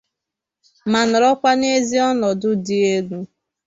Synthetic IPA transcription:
ma˨nʊ˨ɾɔ˦kʷa˦ne˦zi˦ɔ˦nɔ˨dʊ˦di˦e˦lu˦

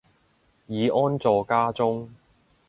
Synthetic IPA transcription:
jiː˨˧ʔɔː˥nt͡sɔː˨˧kaː˥t͡sʊ˥ŋ

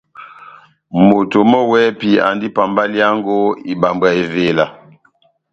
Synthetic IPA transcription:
mo˨to˨mɔ˦wɛ˦pi˨a̰˨ndi˦pa˨mba˦lja˦ŋɡo˦i˨ba˨mbwa˨e˨ve˨la˨

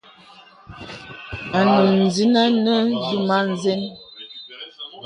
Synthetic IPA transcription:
a˨nu˨n̩˨zi˦na˦nə˦zu˦ma˦n˦zɛ˦n

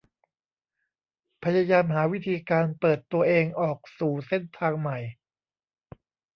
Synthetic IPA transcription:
pʰa˧jaː˧jaː˧mɦaː˩˦wi˦˥t̪ʰiː˧kaː˧npɤː˨˩t̪ːu˧ɐʔeː˧ŋʔɔː˨˩k̚suː˨˩se˧˥˩nt̪ʰaː˧ŋma˨˩j

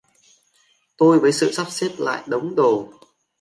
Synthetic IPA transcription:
t̪o˧jvəː˨˦jsɨ̰˧˨saː˦˥p̚se˦˥t̚la̰ː˧˨jɗə˨˦wŋ͡mɗo˨˩

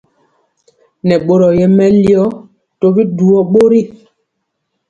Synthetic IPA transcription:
nɛ˨ɓo˨ɾɔ˨jɛ˨mɛ˦li˦ɔ˦ | to˦bi˦du˨ɔ˦ɓo˦ɾi˦˨

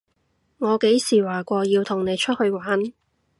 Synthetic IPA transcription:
ŋɔː˨˧ke˨˥jsiː˨˩waː˨˩kʷɔː˧jiː˧wt̪ʰʊ˨˩ŋne˨˧jt͡ʃʰɵ˥t̚hɵ˧ɥwaː˨˥n

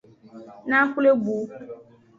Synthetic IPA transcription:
nã˦ku˦le˦ɡ͡bu˨˦

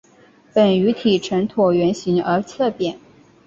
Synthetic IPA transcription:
pə˨˩ny˧˥t̪ʰi˨˩ʈ͡ʂʰə˧˥nt̪ʰu˨˩ɥɛ˧˥nɕi˧˥ŋə˞˧˥t͡sʰɤ˥˩pjɛ˨˩˦n

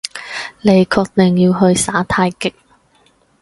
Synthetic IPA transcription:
le˨˩jkʰɔː˧k̚t̪ɪ˨ŋjiː˧wɦɵ˧ɥsaː˨˥t̪ʰaː˧jkɪ˨k̚

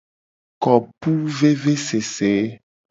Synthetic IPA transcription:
kɔ˨pu˦ve˦ve˦se˨se˨˦

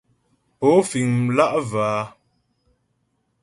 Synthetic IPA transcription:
po˨˦fi˨ŋla˦ʔva˨a˨˦

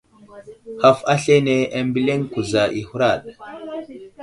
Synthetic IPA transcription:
ha˨fa˦ɬe˦ne˨a˨mbi˦le˦ŋku˨za˨ʔi˨hu˦ɾa˦˨ɗ

